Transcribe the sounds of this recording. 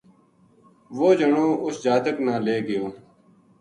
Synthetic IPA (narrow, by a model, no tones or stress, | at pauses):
ʋoːd͡ʒəɳoːʔʊsd͡ʒaːt̪əknãːleːɡɪjoː